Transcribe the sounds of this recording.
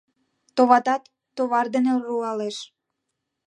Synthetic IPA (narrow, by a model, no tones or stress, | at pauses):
t̪oβɑt̪ɑt̪ːoβɑrd̪enelruɑleʃ